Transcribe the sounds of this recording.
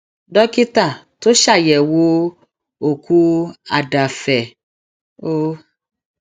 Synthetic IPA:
dɔ˦ki˦ta˦˨ | to˦ʃa˦˨jɛ˨wo˦ | o˦˨ku˦a˨da˨fɛ˨ | o˦

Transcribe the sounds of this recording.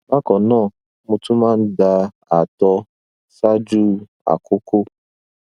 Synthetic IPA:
na˦kɔ˨nɔ˦˨ | mʊ˦tu˦ma˦n̩˦da˦ | a˨tɔ˦ | sa˦d͡ʒu˦ | a̰˨kʊ˦kʊ˦

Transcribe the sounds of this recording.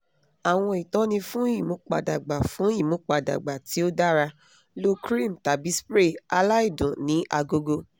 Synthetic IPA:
a˨w̃ɔ̃˧i˨tɔ˨˦nĩ˧fũ˦i˦˨mũ˨˦k͡pa̰˨da˨ɡ͡ba˨fũ˨˦i˦˨mũ˦k͡pa˨da̰˨ɡ͡ba˨ti˨˦o˦da˦ɾa˧ | lo˦kɾĩ˦˨m̩˨ta˨bi˨˦spɾe˦˨a˧la˦i˦˨dũ˨nĩ˨˦ʔa˧ɡo˧ɡo˧

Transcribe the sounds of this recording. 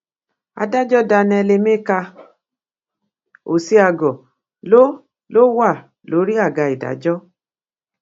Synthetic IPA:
a̰˧da˦d͡ʒɔ˦da˧nɛ˧le˧me˦ka˧ | o̰˨si˦a˧ɡɔ˨ | lo˦ | lo˦wa˦˨ | lo˨˦ɾi˦a˦˨ɡa˧i˨da̰˨d͡ʒɔ˦

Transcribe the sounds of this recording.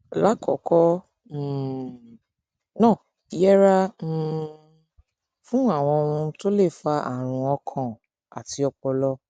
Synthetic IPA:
la˨˦kɔ̰˨˦kɔ˦˨ | nã˦˨ | i˨˦jɛ˦ɾã˦˨ | fũ˦a˦˨w̃ɔ̃˧o˧wũ˧to˦le˦˨fa˧a̰˦˨ɾ̃ũ˧ɔ˧kʰã˨ | a̰˨ti˧ɔ˧k͡pɔ˧lɔ˦

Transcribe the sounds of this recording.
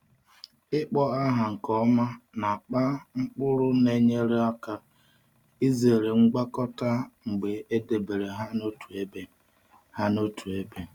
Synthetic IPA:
ɪ˦k͡pɔ˦ɣa˦ɦa˨ŋ̩˨kɔ˦ma˦na˨k͡pa˦ŋ͡m̩˦k͡pʊ˦ɾʊ˦ne˦ɲe˦ɾe˦a˦ka˦ | i˦ze˨ɾe˨ŋ͡m̩˦ɡ͡ba˦kɔ˦ta˦ŋ͡m̩˨ɡ͡be˨e˦de˨be˨ɾe˨ɦa˦no˦tu˨e˦be˦ | ha˦no˦tu˨e˦be˦

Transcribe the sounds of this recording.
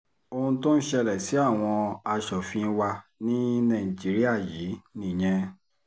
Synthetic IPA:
o˧hũ˧tõ˦ñ̩˦ʃɛ˧lɛ˨si˨˦a˦˨w̃ɔ̃˧a˧ʃɔ˨fĩ˧˦˧wa˧nĩ˦nã˦˨d͡ʒi˨˦ɾi˦a˦˨jiː˨˦nĩ˨j̃ɛ̃˧

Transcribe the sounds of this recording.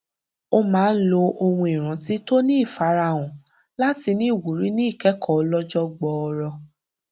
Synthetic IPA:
o˧mãː˨˦n̩˦lo˧ʔo˧wũ˧i˨ɾ̃ã˨˦ti˨˦to˦nĩ˦i˦˨fa˨˦ɾa˧˨ɔ̃˨ | la˦ti˧nĩ˦i˦˨wu˨ɾi˨˦nĩ˦i˦˨kɛ˨˦kɔ˦˨˧lɔ˦d͡ʒɔ˦ɡ͡bɔ˧ɔ˧ɾɔ˧

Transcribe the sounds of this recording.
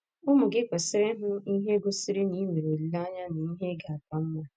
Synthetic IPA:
ʊ˦mʊ˨ɡɪ˦kʷe˨sɪ˦ɾe˦ɦʊ˦i˦ɦe˦ɡʷo˦si˦ɾɪ˦ni˨˦me˨ɾo˨li˨˦la˦ɲa˦na˨i˦ɦe˦ɡa˨a˨pa˨m̩˦ma˦

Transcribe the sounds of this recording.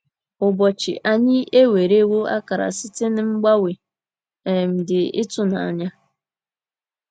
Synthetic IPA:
ʊ˨bɔ˨t͡ʃɪ̰˨ʔa˨ɲɪ˦e˦we˨ɾe˦wo˦a̰˦ka˨ɾa̰˨sɪ˦te˦nɪ˦ŋ͡m̩˦ɡ͡ba˦we˨ | ɛ˨m̩˨dɪ˨ɪ̰˦tʊ˦na̰˨a̰˨ɲa˦

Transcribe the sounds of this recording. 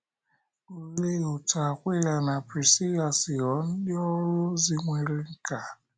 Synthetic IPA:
o˨le˦o˨ta˨kʷe˦ja˨na˨pɾi˨si˦ja˨sɪ˨jɔ˨˦n̩˦dɪ˦ɔ˦ɾʊ˦zi˦ŋʷe˨ɾe˦ŋ̩˦ka˨

